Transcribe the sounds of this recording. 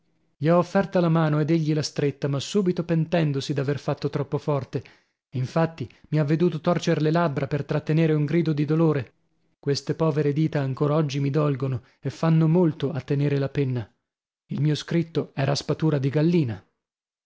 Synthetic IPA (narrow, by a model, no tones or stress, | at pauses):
ʎiaofːɛrt̪alamaːnoed̪eʎːilast̪ɾet̪ːamasːuːbit̪opent̪ɛnd̪osid̪averfat̪ːot̪ɾɔpːofɔrt̪e | iɱfat̪ːimiavːed̪uːt̪ot̪ɔrt͡ʃeɾlelabːɾapert̪ɾat̪ːeneːɾeuŋɡɾiːd̪od̪id̪oloːɾe | kwest̪epɔːveɾed̪iːt̪aːŋkoːɾaɔd͡ʒːimid̪ɔlɡono | efːanːomolt̪oat̪ːeneːɾelapenːa | ilmiːoskɾit̪ːoɛːɾaspat̪uːɾad̪iɡalːiːna